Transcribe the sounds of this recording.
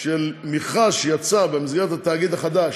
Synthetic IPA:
ʃelmiχaʃejat͡sabemizɡeʁet̪hat̪aːɡid̪aχad̪aʃ

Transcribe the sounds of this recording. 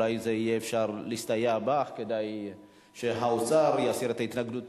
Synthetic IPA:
ajzeijeːfʃaʁlist̪ajabaχkedaj | ʃeɦaot͡saʁjasiʁet̪ait̪naɡdut

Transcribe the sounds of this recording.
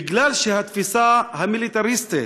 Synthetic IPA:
ɡlalʃehat̪fisahamilit̪aɾist̪i

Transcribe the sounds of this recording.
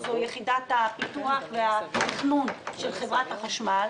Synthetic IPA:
zojeχidat̪apit̪uaχveatiχnunʃelχevʁat̪haχaʃmal

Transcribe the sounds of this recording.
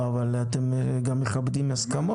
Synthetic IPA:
avalat̪em | ɡamːeχabd̪imaskamo

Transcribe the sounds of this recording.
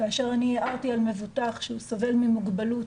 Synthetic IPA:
kaːʃeʁaniʔaʁt̪ialme̞vut̪aχʃeusove̞lmimuɡbalut

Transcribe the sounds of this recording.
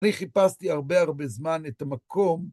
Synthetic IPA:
niχipast̪iaʁbe̞aʁbezmanetamakʰo̞m

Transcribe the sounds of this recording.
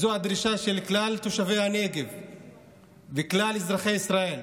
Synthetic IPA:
zohad̪ʁiʃaʃe̞lklalt̪oʃave̞jhane̞ɡev | beklalezʁaχe̞jisʁae̞l

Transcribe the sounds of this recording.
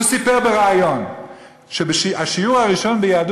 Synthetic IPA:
sipeʁbeʁaajon | ʃebeʃiaʃijuʁhaʁiʃo̞nbejaːd̪

